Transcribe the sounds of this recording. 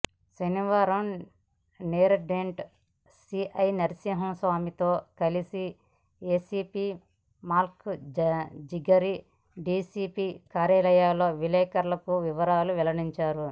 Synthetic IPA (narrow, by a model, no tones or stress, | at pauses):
ʃɐniʋaːɾɐm | neːɾɐɖeɳʈ | siːʔɐjnɐɾsiːɦɐmsʋaːmit̪o̞ːkɐlisi | eːsiːpiː | maːlk | d͡ʒiɡɐɾi | ɖiːsiːpiːkaːɾjaːlɐjaːlo̞ːʋilɛːkɐɾlɐkuʋiʋɐɾaːluʋɛlɐɽiɲt͡ʃaːɾu